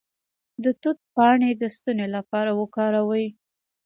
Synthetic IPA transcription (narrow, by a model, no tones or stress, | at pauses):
d̪ət̪ʊt̪̚pɑɳed̪əst̪unelapɑɾawəkɑɾawəj